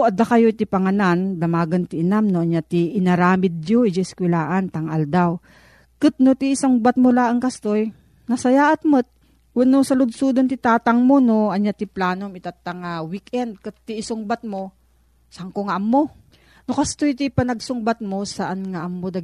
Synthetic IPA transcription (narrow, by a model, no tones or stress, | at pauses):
ʔɐd̪akɐjojt̪ɪpɐŋɐnand̪ɐmaːɡɐnt̪ɪʔɪnamnoʔɐɲjat̪ɪʔɪnɐɾaːmɪd̪̚jod͡ʒɪskwɛlaːʔant̪ɐŋʔɐld̪aw | kɨt̪̚not̪iːsaŋbat̪̚molaʔɐŋkɐst̪oj | nɐsɐjaːʔɐt̪mɨt̪̚ | wɐnosɐlʊd̪̚sud̪ont̪ɪt̪aːt̪ɐŋmonoʔɐɲjat̪ɪplaːnomɪt̪at̪ːɐŋawikɛnd̪̚kɨt̪̚ːɪːsʊŋbat̪̚mo | sɐŋkoŋaʔɐmːo | nokɐst̪ojt̪ɪpɐnɐɡ̚sʊŋbat̪̚mosaʔanŋaʔmːod̪ɐ